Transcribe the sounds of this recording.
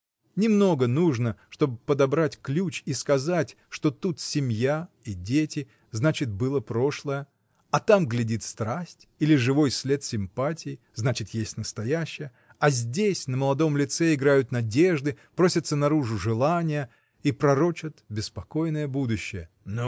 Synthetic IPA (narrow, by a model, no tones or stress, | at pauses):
nʲɪmno̞ɡənuʐnəʂt̪o̞bɨpəd̪ɐbɾatʲklʲut͡ɕiskɐzatʲ | ʂt̪o̞t̪ut̪sʲɪmʲja | idʲetʲɪ | znat͡ɕɪt̪̚bɨlˠəpɾo̞ʂlˠəjə | ɐt̪amɡlʲɪdʲit̪st̪ɾasʲtʲilʲɪʐɨvo̞jsʲlʲe̞t̪sʲɪmpatʲɪjɪ | znat͡ɕɪt̪jesʲtʲnəst̪ɐjæɕːɪjə | ɐzʲdʲesʲnəməlˠɐd̪o̞mlʲɪt̪sɛɪɡɾajʊt̪nɐdʲe̞ʐd̪ɨpɾo̞sʲɪət̪sənɐɾuʐʊʐɨlˠanʲɪjə | ipɾɐɾo̞t͡ɕɪt̪bʲɪspɐko̞jnəjəbud̪ʊɕːɪjə | no